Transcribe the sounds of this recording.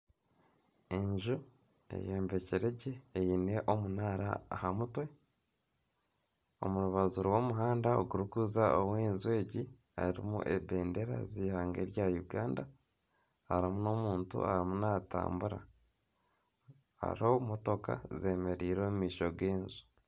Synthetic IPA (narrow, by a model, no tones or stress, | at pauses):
eɲʒu | e̞̰jeːmbe̞ceɾe̞ɟe̞ːjine̞ʔo̞munaːɾa̰ːhamutwe̞ | o̞̰muɾuβazuɾowo̞ːmuɦaːndao̰ɡuɾukuːzaʔoweːnzuwe̞ːɟi | a̰iɾḭmṵʔe̞be̞ːnde̞ɾa̰ziːhaːŋɡeɾjajuɡaːnda | haɾimuno̞ːmuːntṵa̰ɾimunata̰ːmbuɾa̰ | a̰ɾihomoto̞ka̰ze̞ːme̞ɾiːɾomumiːʃoɡeːnzu̥